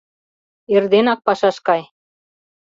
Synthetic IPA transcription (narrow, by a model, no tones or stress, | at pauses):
erd̪enɑk̚pɑʃɑʃkɑj